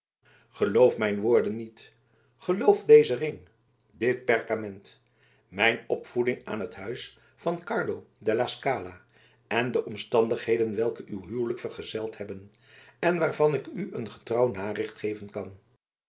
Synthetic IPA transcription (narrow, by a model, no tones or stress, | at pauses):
χəlowfmɛjnʋʊːɹdənːit | χəlowfdejzərɪŋ | dɪt̚pɛɹkamɛnt | mɛjnɔpfudɪŋa̰ːnɦətɦœɥs | fɑnkɑɹdodɛlaskaːlaː | ʔɛndəʔɔmstɑndəχɦejdənʋɛlˠkəʔywɦyːləkfərχəzɛlˠtɦɛbən | ɛnʋaːɹvɑnɪkyʔənχə̥trɑwnaːrɪχtχejvənkɑn